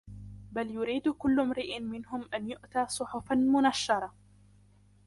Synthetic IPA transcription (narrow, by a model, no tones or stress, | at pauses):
baljʊɾiːd̪kʊlːʊmɾɪʔɪnmɪnɦʊmʔanjʊʔt̪aːsˤʊħʊfanmʊnaʃːɑɾˤɑ